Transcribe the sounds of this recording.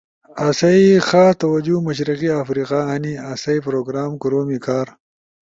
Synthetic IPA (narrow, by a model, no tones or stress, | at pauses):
asɐixaːt̪ɐwɐd͡ʒumɐʃ̬ɾiqiafɾiːqaɦɐniasɐipɾoːɡɾaːmkuɾoːmikaːɾ